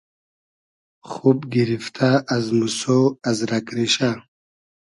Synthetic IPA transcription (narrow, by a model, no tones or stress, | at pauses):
χubɡiɾift̪ʰaːzmusoazɾakɾiɕa